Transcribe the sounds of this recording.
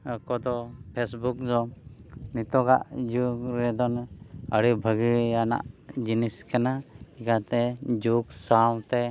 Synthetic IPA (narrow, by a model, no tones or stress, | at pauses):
əkɔd̪ɔpʰesbuk̚d̪ɔnit̪ɔɡaʔd͡ʒuɡɾɛd̪ɔnəɽibʱəɡijana̰ʔd͡ʒiniskanaikat̪ɛd͡ʒuɡsawt̪ɛ